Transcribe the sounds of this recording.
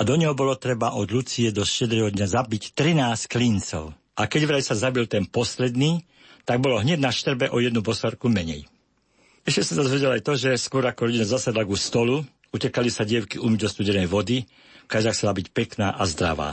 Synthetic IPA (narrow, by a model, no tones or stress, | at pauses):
ad̪ɔɲɛɦɔbɔlɔt̪ɾɛbaʔɔd̪lut͡siɛd̪ɔʃcɛd̪ɾɛɦɔd̪ɲazabict̪ɾinaːsklint͡sɔ̰ʊ | ʔakɛɟʋɾasazabilt̪ɛnpɔslɛd̪niː | t̪aɡ̚bɔlɔɦɲɛd̪naʃt̪r̩bɛʔɔjɛd̪nubɔsɔɾkumɛɲɛ̰j | ɛʃcɛsazazʋɛɟɛlajt̪ɔʒɛskʊɔɾakɔɾɔɟinazasad̪laɡust̪ɔlu | ucɛkalisaɟɪɛʊkiʔumd̪ɔst̪uɟɛnɛjʋɔd̪i | kazaxt͡sɛlabicpɛkna̰ːʔazd̪ɾa̰ʋa̰ː